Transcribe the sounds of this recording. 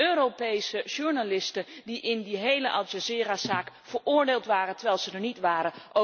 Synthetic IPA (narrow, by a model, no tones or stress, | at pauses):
øːropejsəʒuɹnalɪstədiʔɪndiɦejləʔɑʒazɪːrasaːk | fəɹʊːɹdeːlˠtʋaːrəntəɹʋɛjlˠzədəɹnitʋaːɾəʔo